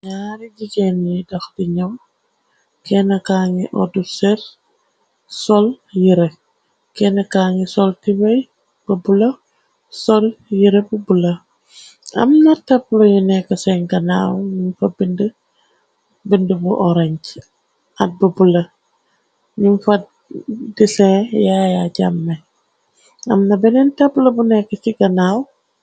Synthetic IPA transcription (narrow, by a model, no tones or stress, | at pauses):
ɲaɾiɟiɡɛnjidɐxdiɲɔm | kɛnɐkaːŋiʔɔdusɛɾ | sɔl | jiɾe | kɛnɐkaːŋisɔltibɐj | b̥əbulɐ | sɔljiɾebubulɐ | ɐ̰mnɐtaplojinɛkɐsɛŋɡɐna̰ːwɲimfɐbində | bindəbuʔɔɾaɲt͡ʃ | at̚bubulɐ | ɲimfɐ | disɛ̃jajaɟamːe | ɐ̰mnɐbɛnɛntaplobunɛkɐt͡ʃiɡɐnaːw